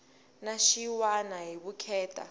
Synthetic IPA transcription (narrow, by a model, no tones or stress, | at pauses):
naʃiwanaɦiɓukʰɛːtʰʼa̰